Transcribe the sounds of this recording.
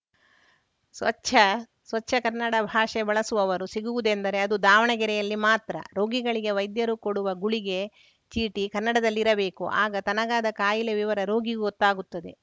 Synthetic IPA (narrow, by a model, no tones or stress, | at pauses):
sʋɐɐ | sʋɐtːʃʰːɐkɐɾnːɐɽɐbʱaːʂebɐɭɐsuʋɐʋɐɾusiɡuʋud̪e̞nd̪ɐɾe̞ɐd̪ud̪ʱaːʋɐɳɐɡɛɾɛjɐlːimaːt̪ɾɐ̰ɾo̞ːɡiɡɐɭiɡe̞ʋɐjd̪jɐɾukoɽuʋɐɡuɭiɡe̞ | t͡ʃiːʈikɐnːɐɽɐd̪ɐlːiɾɐbe̞ːkuʔa̰ːɡɐt̪ɐnɐɡaːd̪ɐkaːjileʋiʋɐɾɐɾo̞ːɡiɡuɔt̪ːaːɡut̪ːɐd̪e̞